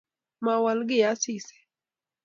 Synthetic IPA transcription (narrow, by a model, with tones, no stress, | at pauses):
ma˨wa˨lɡɪ˦ja˦si˦˨sɛ̥˨